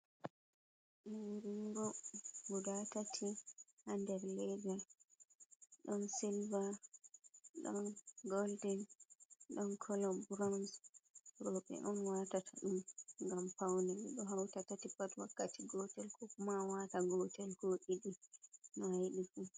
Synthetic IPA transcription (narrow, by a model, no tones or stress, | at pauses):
nɔwiɾiɾɔbudatatʰihandɛɾlɛɡa | ɗɔnsilva | ɗɔ̰nɡɔldɛnɗɔnkʰɔlɔbɾɔnsɾɔɓɛ̰ʔɔnwatatʰaɗumŋɡampawnɛwḭɗɔɦawtatatipatwakːatiɡɔtɛlkʰɔkumawataɡɔtɛlkoɗiɗinɔhaiɗifu